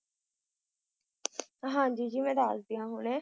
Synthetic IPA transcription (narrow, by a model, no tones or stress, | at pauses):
ɦãːd͡ʒiːd͡ʒiːmɛ̃ːd̪aːsd̪ijãːɦoːnẽː